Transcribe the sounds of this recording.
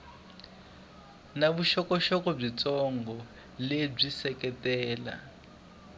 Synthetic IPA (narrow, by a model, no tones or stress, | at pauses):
naβuʃɔkɔʃɔkɔb͡ʐit͡sɔŋɡɔ | leb͡ʐisɛkɛtɛːla̰